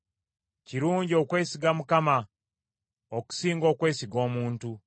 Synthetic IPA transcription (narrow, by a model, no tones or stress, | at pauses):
ciɾuːɲɟio̞kwe̞ːsiɡamukama | oku̥siːŋɡo̞ːkwe̞ːsiɡo̞ːmuːntu